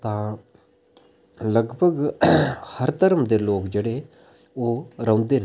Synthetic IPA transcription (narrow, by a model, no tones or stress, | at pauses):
t̪ãː | ləɡbʱəɡ | həɾt̪əɾəmd̪eloːkd͡ʑeɽe | oɾə̃wnd̪en